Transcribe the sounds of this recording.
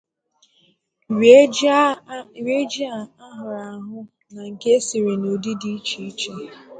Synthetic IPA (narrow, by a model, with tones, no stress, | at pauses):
ɾe˦d͡ʒi˦a˦˨a˦ɦʊ˨ɾa˨ɦʊ˦ | na˨ŋ̩˨ke˦si˨ɾe˨no˨di˦di˦i˦t͡ʃi˦i˦t͡ʃe˦